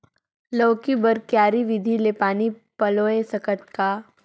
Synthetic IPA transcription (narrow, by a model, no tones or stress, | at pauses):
lɐːkibɐɾkjaːɾiʋɪd̪ʱilepaːnipɐloːẽsɐkəʈ̚kaː